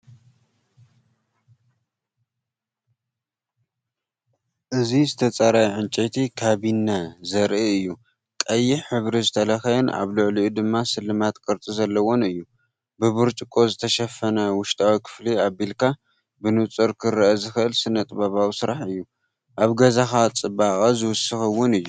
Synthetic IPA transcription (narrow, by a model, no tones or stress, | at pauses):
ʔɨzizɨt̪ʰɐt͡sʼɐɾajʕɨnt͡ʃʼet̪ʰikʰaβinːazɐɾʔiɨjːu | kʼɐjːiħɨβɾizɨt̪ʰɐlɐxɐjɐna̰βlɨʕliʔud̪ɨmːasɨlːɨmat̪kʼɨɾt̪ʼizɐlːɐwo̞nɨjːu | bɨβɨɾt͡ʃʼɨkʼo̞zɨt̪ʰɐʃɐfɐnɐwʊʃt̪ʰʼawikʰɨ̥fliabilkʰa | bɨnɨt͡sʼɨɾkʰɨɾʔɐzɨxɨʔɨlsɨnɐt̪ʼbaβawsɨɾaħɨjːu | ʔaβɡɐzaxat͡sʼɨbakʼɐzɨwʊsɨxɐwʊnɨjːu